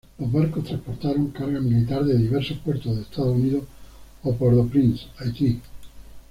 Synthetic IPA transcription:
lozβaɾkost̪ɾaspoɾt̪aɾoŋkaɾɣamilit̪aɾðeðiβeɾsopweɾt̪oðest̪aðouniðo | opwoɾðopɾinsajt̪i

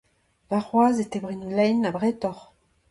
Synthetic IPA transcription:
laʁwazet̪ɛbʁinlɛjnabʁɛt̪ɔʁ

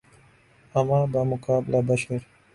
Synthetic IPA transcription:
ɐmãːbamʊkaːblabɐʃɐɾ

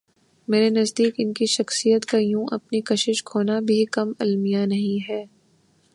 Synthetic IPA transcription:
meːɾenɐzd̪iːkɪnkiʃɐxsijət̪kajũʔɐpnikɐʃɪʃkʰoːnabʱikɐmɐlmijanɐɦĩɦɛː

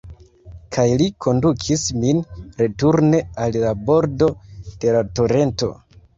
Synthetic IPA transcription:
kʰajlikʰo̞ndukʰisminɾe̞tuɾne̞allabo̞ɾdo̞d̥e̞lato̞ɾe̞nto̞̰

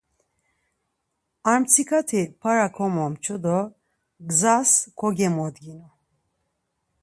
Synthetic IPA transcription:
aɾmt͡sʰikʰat̪ʰipʰaɾakʰɔmɔmt͡ʃʰɔd̪ɔ | ɡzaskʰɔɡɛmɔd̪ɡinu

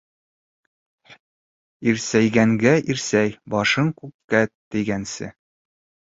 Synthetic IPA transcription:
iɾsæjɡæŋɡæʔiɾsæjbɒʃɤɴkʉkːæt̪ɘ̆jɡænsɘ̰

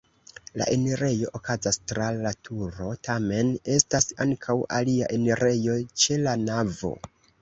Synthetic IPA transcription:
la̰ʔe̞neɾe̞jo̞ʔokazastɾalatʰuɾo̞tʰame̞ne̞stasaŋkʰawʔa̰lia̰ʔe̞neɾʔe̞jo̞t͡ʃe̞lanavo̞̰

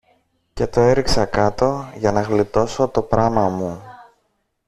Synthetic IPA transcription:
ce̞t̪o̞e̞ɾiksɐkɐt̪o̞ʝɐnɐɣlit̪o̞so̞t̪o̞pɾɐmɐmu

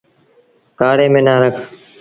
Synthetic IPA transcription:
kaːɽeːmẽːnaːɾəkʰ

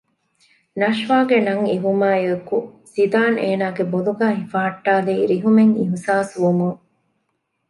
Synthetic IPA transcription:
nɐʃʋaːɡenɐŋiɦumaːjekusid̪aːneːnaːɡeboluɡaːɦifaːʈːaːliːɾiɦumeŋiɦusaːsʋumuŋ

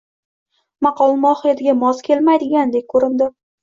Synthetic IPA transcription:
mɑqʰɒlˠmɒχɨjat̪ʰɪɡʲamɒzkʲʰe̞lmajd̪ɪɡʲand̪e̞k̚kʰɵɾɪnd̪ɪ

